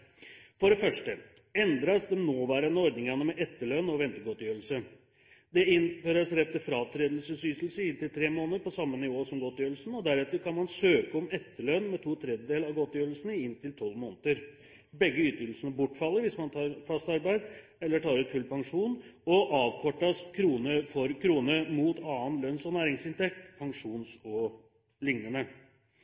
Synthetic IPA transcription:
fɔɖɛfœʂʈə | ɛnd̪ɾɑsd̪ɛmnoːʋæːɾənəɔɾd̪nɪŋɑnəmɛʔɛt̪ːəɭœnɔʋɛnt̪əɡɔt̪jøːɾəlsə | d̪ɛɪnføːɾəsɾɛt̪ːəfɾɑːt̪ʰɾeːd̪lsəsyːslsəɪnt̪ɪlt̪ʰɾeːmoːnəɾpɔsɑmːənɪʋoːsɔmɡɔt̪jøːɾəlsn̩ɔd̪æɾɛt̪ːəɾkʰɑnmɑnsøːkəɔmɛt̪ːəɭœnmɛt̪ʰuːt̪ʰɾɛd̪jəd̪eːlɑʋɡɔt̪jøːɾəlsnəɪɪnt̪ʰɪlt̪ʰɔlmoːnət̪əɾ | bɛɡːəyːt̪ʏːl̩sənəbʊʈːfɑlːəɾʋɪsmɑnt̪ʰɑːɾfɑst̪ɑɾbæɪd̪ | ɛlːəʈʰɑːɾɛt̪fʉlpɑŋʂuːnɔʔɑːʋkʰɔʈːɑskʰɾuːnəfɔɾkʰɾuːnəmuːt̪ɑːənlœnsɔnæːɾɪŋsɪnt̪ʰɛk̚t̪pʰɑŋʂuːnsɔ | lɪŋnənə

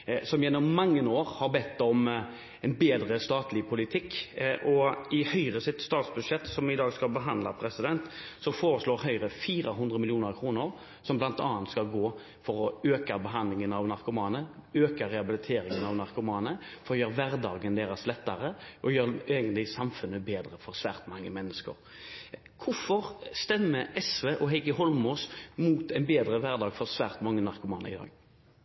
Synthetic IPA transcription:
sɔmjɛnːʊmːɑŋːənoːʁhɑʁbɛt̪ːɔm | ɛnbeːd̪ʁəst̪ɑːt̪ʰlɪpʰʊlɪt̪ʰɪkːʔɔɪhœʏɾəsɪt̪st̪ɑːt̪sbʉd̪ʂɛt̪ːsɔmɪd̪ɑːɡskɑlbəɦɑnd̪lɑpʰɾɛsɪd̪ɛnt̪sɔfoːɾəsloːɾhœʏɾəfiːɾəɦʉnd̪ʁəmɪlɪuːnəɾkʰɾuːnʊɾ | sɔmblɑnt̪ɑ̰ːɑnt̪skɑlɡoː | fɔɾɔøːkɑbəɦɑnd̪lɪŋənɑʋnɑɾkʊmɑːnəøːkɑɾɛɑbɪlɪt̪ʰeːɾɪŋənɑʋnɑʁkʊmɑːnəfɔɾɔjøːɾʋæɾd̪ɑːɡənd̪eːɾɑslɛt̪ːɑɾəʔɔjøːʁeːɡənt̪lɪsɑmfʉnːəbeːd̪ʁəfɔɾsʋæːʁt̪mɑŋːəmɛnːəskə̰ɾ | kʰʊfɔʁst̪ɛmːəʔɛsʋeːʔɔɦɛɪkəɦɔlmuːsmuːt̪ɛɪnbeːd̪ɾəʋæʁd̪ɑːɡfɔɾsʋæːɾt̪mɑŋːənɑɾkʊmɑːnə̰ɪ̰d̪ɑ̰ːɡ

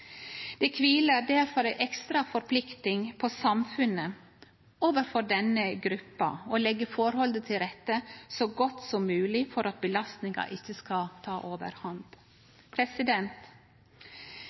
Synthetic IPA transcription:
d̪̥ɛkʰʋiːləɾd̪æɾfɔɾæɪʔɛkst̪ɾɑfɔɾpʰlɪkt̪ɪŋpʰɔsɑmfʉnə | oːʋəɾfɔɾɖ̪ɛnəɡɾʉpːɑ̰olɛɡːəfɔɾhɔld̪ət̪ʰɪlɾɛt̪ːəsoɡɔt̪sɔmːʉːlɪfɔɾɑt̪̚bəlɑst̪nɪŋɑ̰ʔɪçːəskɑt̪ʰɑːʔoːʋə̰ɾhɑnd̪̥ | pʰɾɛsɪd̪ɛnt̪

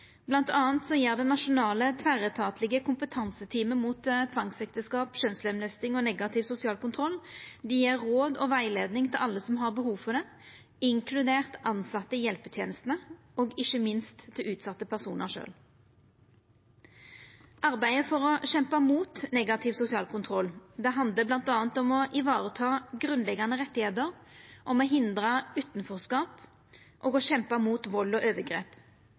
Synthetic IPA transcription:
blɑnt̪ʰɑːnt̪sɔjeːʁd̪ɛnɑʃʊnɑːlət̪ʰʋæʁət̪ʰɑːt̪lɪɡəkʰʊmpət̪ʰɑnsət̪ʰiːməmuːt̪t̪ʰʋɑŋsɛkt̪əskɑːpʃœnslɛmlɛst̪ɪŋɔnɛɡɑt̪ʰɪʋsʊsɪɑːlkʊnt̪ʰʁɔlːd̪ɪjeːʁːoːd̪ɔ̰ʋæɪleːd̪nɪŋt̪ʰɪlʔɑlːəsɔmɦɑʁbəhuːʋfɔʁd̪ɛ | ɪŋkʰlʉd̪eːʁt̪ʔɑnsɑt̪ːəjɛlpət̪ʰjeːnəst̪nə | oːɡɪçəmɪnst̪ʰːɪlʉːt̪sɑt̪ːəpʰæʁsṵːnʔə̰ʁʂø̰ːl | ʔɑʁbæɪəfɔʁɔɕɛmpɑmuːt̪nɛːɡɑt̪ʰɪʋsʊsɪɑ̰ːlkʰʊnt̪ʰʁɔlːd̪ɛɦɑnd̪ləblɑnt̪ɑːnt̪ɔmɔʔɪʋɑːʁət̪ʰɑːɡʁʉnlɛɡːɑnəʁɛt̪ːɪheːt̪əʁʔɔmɔɦɪnd̪ʁɑʉːt̪n̩fɔːʁskɑːp | ʔɔːɡɔɕɛmpɑmuːt̪ʋɔlːɔʔøːʋəɡʁḛːp

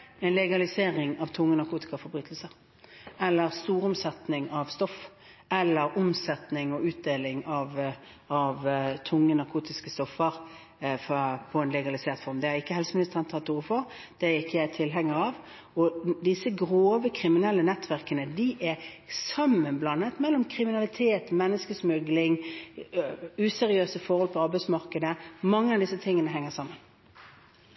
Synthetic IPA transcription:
ɛɪnlɛɡɑlɪseːʁɪŋɑʋt̪ʰʊŋːənɑʁkʰuːt̪ɪ̥kɑfɔɾbɾyːt̪əlsəʁ | ɛlːəɾst̪uːɾʊmsɛt̪nɪŋɑʋst̪ɔf | ɛlːəɾʊmsɛt̪nɪŋɔʉːt̪̚d̪eːlɪŋɑʋ | ɑʋt̪ʰʊŋːənɑʁkʰuːt̪ɪskəst̪ɔfːəʁ | fpʰɔɛnlɛɡɑlɪseːʁt̪fɔɾmd̪ɛæɾɪkːəhɛlsəmɪnɪst̪əʁɛnt̪ɑt̪uːʁəfɔʁ | d̪̥ɛɪkːəjæɪt̪ʰɪlɦɛŋːəɾɑʋ | ɔd̪ɪsːəɡɾoːʋəkʰɾɪmɪnɛlːənɛt̪ːʰʋæʁkənəd̪ɪʔɛsɑmːənblɑnːət̪mɛlːɔmkʰɾɪmɪnɑlɪt̪ʰeːt̪mɛnːəskəsmʉɡlɪŋ | ʉːsɛɾɪøːsəfɔɾhɔlpʰɔɑɾbæɪsmɑɾkəd̪əmɑŋːəɑʋd̪ɪsːət̪ʰɪŋːənəɦɛŋːəsɑmːən

